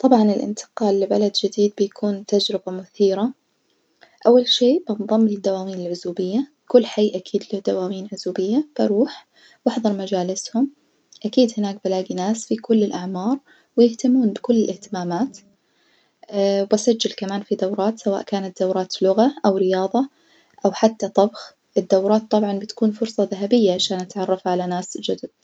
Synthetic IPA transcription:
t̪ˤɑbʕɑnɪlʔɪ̰nt̪ʰɪ̥qɑːlːɪba̰lad̪d͡ʒɪd̪iːd̪̚bɪjakʰuːnt̪ad͡ʒɾɪbamʊθiːɾa | ʔawːalʃeːʔbɑnðˤɑmːlɪd̪ːawaːmiːnɪlʕʊzuːbɪjːa | kʊlːħajːʔakʰiːd̪lɪd̪awaːmiːnʕʊzuːbɪjːab̥aɾuːħ | wɪħðˤɑɾˤmad͡ʒaːlɪshʊm | ʔakiːd̪hɪnaːk̚balaːɡinaːsfikʊlːɪlʔaʕmɑːɾˤ | wɪjɪht̪amːuːnbɪkʊlːɪlʔɪht̪ɪmaːmaːt̪ | basad͡ʒːalkamaːnfid̪awɾˤɑːt̪sawa̰ːʔkaːnat̪̚d̪awɾˤɑːt̪lʊɣaʔawɾɪjɑːðˤɑ | ʔawħat̪ːat̪ˤːɑbx | ʔɪd̪ːawɾˤɑːt̪ˤːɑbʕɑnbɪt̪kuːnfʊɾsˤɑðaɦabɪjːaʕaʃaːnʔat̪ʕɑrˤːɑfʕalanaːsd͡ʒad̪ʊd̪̚

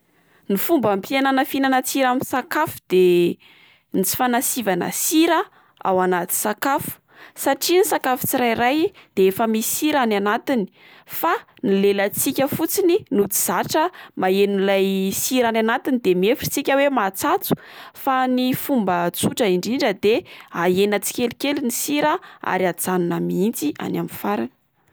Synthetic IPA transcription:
nifumbəmpiananəfinanat͡siɾaminsakafu̥d̪̥e | nit͡si̥fanasivanə̰siɾə | a̰wanat̪i̥sakafu̥ | saʈ͡ʂinisakafu̥t͡siɾajɾajd̪̥eefəmisiɾananat̪ini̥ | fa | nilelət͡sikʲəfut͡sininut͡siz̥aʈ͡ʂəmaeninlajsiɾananat̪inid̪emiefu̥t͡sikʲəwemat͡sat͡su̥fanifumbət͡suʈ͡ʂəiɳɖ͡ʐiɳɖ͡ʐəd̪eaenət͡si̥kʲelikʲelinisiɾəa̰ɾiad͡zanunəmiint͡siʔa̰namifaɾanə̥

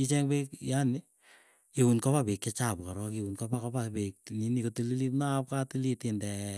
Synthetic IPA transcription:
it͡ʃɛŋbekjanɪ | ewunkɔapekːɛt͡ʃapkaɾɔkewunkɔbakɔbapek̚ninikotulilipnap̚katilitɪndɛ

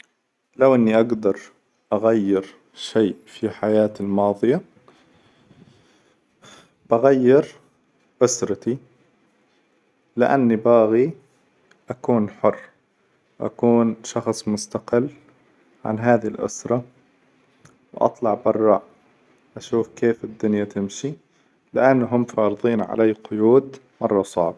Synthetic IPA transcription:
lawʔɪnːiʔaɡd̪ɑɾˤ | ʔaɣajːɪɾ | ʃeːfiħajaːt̪ɪlmɑːðˤɨja | b̥aɣajːɪɾ | ʔʊsɾˤɑt̪i | lɪʔa̰nːibaːɣi | ʔakuːnħʊrː | ʔa̰kuːnʃɑxsˤmʊst̪aqɪlː | ʕa̰nɦaːðilʔʊ̰sɾˤɑ | wʔɑ̰t̪ˤlɑʕbɑrˤːɑʔ | ʔaʃuːfkeːfɪd̪ːʊnjat̪ɪmʃi | lɪʔanːɦʊmfɑːɾˤɨðˤiːnʕa̰laːqʊjuːd̪ | mɑrˤːɑsˤɑ̰ʕbɑ

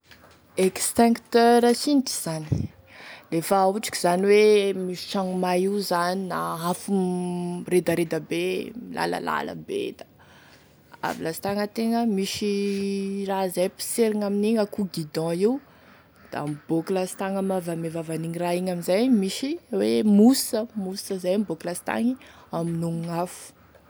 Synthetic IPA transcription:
ekst̪ɛ̃ŋkt̪øɾasiniʈ͡ʂi̥z̥ani | lefauʈ͡ʂi̥ki̥z̥aniwemiʃi̥ʈ͡ʂaŋumajizaninaafu | red̪aɾed̪abelʔa̰lə̰la̰lə̰bḛd̪a | a̰vilast̪aŋət̪eŋəmiʃi | razajpi̥seɾiŋaminiŋakuɡid̪ɑ̃iu | d̪̥a̰mb̥okulasi̥t̪aŋamavamevavaniɲiraiɲaminzajmiʃiwemusəmusəzajamboklasi̥t̪a̰ŋiaminuŋafu̥

